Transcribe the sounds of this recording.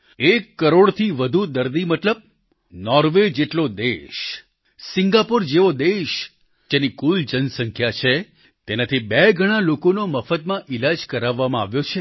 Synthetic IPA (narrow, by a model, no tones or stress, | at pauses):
ekːəɾoɽt̪ʰiʋəd̪ʱud̪əɾd̪imət̪ləb̚ | nɔɾʋed͡ʒeʈlod̪eʃ | sɪŋɡapoɾd͡ʒeʋod̪eʃ | d͡ʒenikuld͡ʒənsəŋkʰjat͡ʃʰe | t̪enat̪ʰibeɡʱəɽ̃alokonoməfət̪mãʔɪlad͡ʒkəɾaʋːamãaʋjot͡ʃʰe